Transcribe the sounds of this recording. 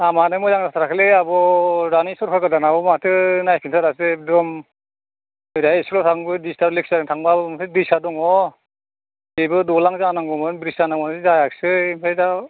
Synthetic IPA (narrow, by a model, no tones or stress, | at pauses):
amanɯmɔjzaŋatʰɾakʰleabɔɾanisɔɾkʰaɡadanabɔmatʰɯnajpʰinsʰaɾasɯdɔm | ɯjɾajeslɔtʰaŋbɯdistaɾlek̚saɾɯŋtʰaŋbabɯmtʰɯdisadɔŋɔ | ibɯdɔlaŋzanaŋɡɔmɯnbɾisanaŋmɔnzajaksɯimpʰajda